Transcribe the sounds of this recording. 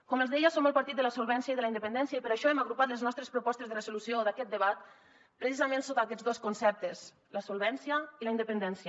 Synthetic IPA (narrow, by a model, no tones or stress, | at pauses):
kɔməlzðɛjəsoməlˠpaɾt̪it̪̚d̪ələsulˠβɛnsiəiðəlaind̪əpənd̪ɛnsjaipəɾaʃɔɛmaɣɾupat̪ləznɔst̪ɾespɾupɔst̪ezðərəzulusioðakɛt̪̚d̪əβat̪ | pɾəsizamẽnsot̪akɛd͡zd̪oskunsɛp̚t̪es | ləsulˠβɛnsiəiləind̪əpənd̪ɛnsiə